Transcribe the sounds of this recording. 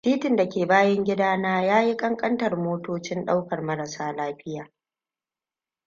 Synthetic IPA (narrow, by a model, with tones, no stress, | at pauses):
tiː˦tɪ˨nda˨kʲeː˨baː˦jɐ˦ŋɡʲɪ˦daː˦naː˦jaː˦ji˦kʼɐ˦ŋkʼɐ˦ntɐ˨rmoː˦toː˦t͡ʃɪ˦nɗa˦wkɐ˨rmɐ˦ɾɐ˨saː˦laː˦ɸɪ˦jaː˨